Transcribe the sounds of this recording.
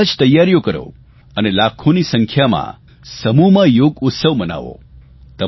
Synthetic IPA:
d͡ʒt̪əjːaɾjokəɾo̰ | ənelakʰonisəŋkʰjamã̰ | səmuɦmãjoɡʊt̪səʋməna̰ʋo̰ | t̪ə

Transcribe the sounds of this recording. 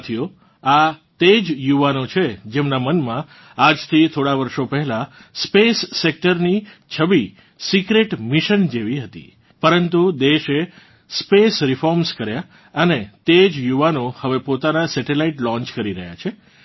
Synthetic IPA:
t̪ʰijo | at̪ed͡ʒjuʋanot͡ʃʰed͡ʒemnamənmã | ad͡ʒt̪ʰit̪ʰoɽaʋəɾʃopəɦɛlaspesːek̚ʈəɾnit͡ʃʰəʋi | sikɾeʈmiʃənd͡ʒeʋiɦət̪ḭ | pəɾənt̪ud̪eʃe | spesɾɪfɔɾmskəɾja | ənet̪ed͡ʒjuʋanohəʋepot̪anasɛʈelaiʈlɔ̃ɲt͡ʃkəɾiɾə̰ɦja̰t͡ʃʰe

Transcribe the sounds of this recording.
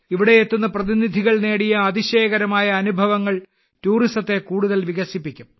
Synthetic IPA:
iʋiɽe̞et̪ːunːɐprɐðinid̪ʱiɣɐɭne̞ːɽijɐːðiɕeːɣɐɾɐmaːjɐːnubʱɐʋɐŋːɐɭ | tuːristɐt̪ːe̞kuːɽuðɐlʋiɣɐsipːikʲːum

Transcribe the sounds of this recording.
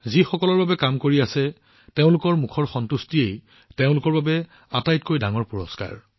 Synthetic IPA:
zixɔkɔlɔɹbabɛkamkoɹiasɛ | teʊ̃lʊkɔɹmukʰɔɹxɔntustiej | teʊ̃lʊkɔɹbabɛ | atajtkojdaŋɔɹpuɹɔska̰ɹ

